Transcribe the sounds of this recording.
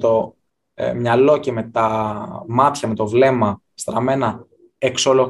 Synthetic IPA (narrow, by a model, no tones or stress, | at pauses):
t̪o̞ | mɲɐlo̞ceme̞t̪ɐmɐt̪çɐmet̪o̞vle̞mɐ | st̪ɾɐme̞nɐ | eksolo